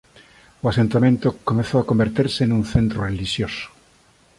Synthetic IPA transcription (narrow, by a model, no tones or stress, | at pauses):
oasent̪amẽnt̪okomeθoakombeɾt̪eɾseːnũnθẽnt̪ɾoreliʃjoso̥